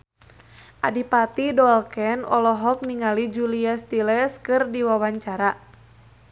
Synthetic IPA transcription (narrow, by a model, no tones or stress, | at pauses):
ʔa̰dipat̪idɔlkɛnɔlɔɦɔk̚niŋalid͡ʒuliast̪ilɛskɨrdiwawaɲt͡ʃaɾa